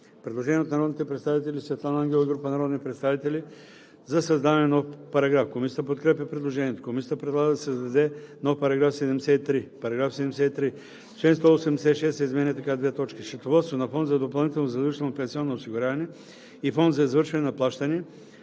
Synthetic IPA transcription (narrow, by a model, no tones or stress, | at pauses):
pɾɛd̪lˠoʒɛniɛot̪nɐɾɔd̪nit̪ɛpɾɛt̪st̪avit̪ɛlʲisvɛt̪lˠanaŋɡʲɛlˠɡɾupənɐɾɔd̪nitpɾɛt̪st̪avit̪ɛlʲi | zɐsɐzd̪avɐnɛnɔfpɐɾɐɡɾafkomisʲiət̪əpot̪kɾɛpjɐpɾɛd̪lˠoʒɛniɛt̪okomisiət̪əpɾɛd̪lˠaɡəd̪ɐsɐzd̪ɐd̪ɛnɔfpɐɾɐɡɾafsɛd̪ɛmɛsɛit̪ɾipɐɾɐɡɾafsɛd̪ɛmɛsɛit̪ɾi | t͡ʃɛɛ̃nst̪oosɛmd̪ɛsɛt̪ʃɛsɛizmɛnʲɛt̪ɐkad̪vɛt̪ɔt͡ʃkʲiʃɐt̪ovɔt̪svonɐfɔnd̪zɐd̪opɐlˠnit̪ɛlˠnozɐd̪iʃt̪ənopɛ̃nsiɔnnoosiɡʊɾʲavɐnɛ | ifɔnd̪zɐizvɤɾʃvɐnɛnɐplˠaʃt̪ɐnʲɛ